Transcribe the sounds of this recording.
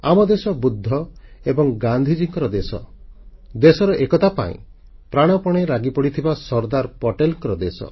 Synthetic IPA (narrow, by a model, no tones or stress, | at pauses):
amɔd̪esɔbud̪ʱːɔebɔŋɡand̪ʱid͡ʒiŋkɔɾɔd̪esɔ̰ | d̪esɔɾɔʔekɔt̪apa̰ḭ̃ | pɾaɽ̃ɔpɔɽ̃eɾaɡipɔɽit̪ʰibasɔɾd̪aɾpɔʈelŋkɔɾɔd̪esɔ̰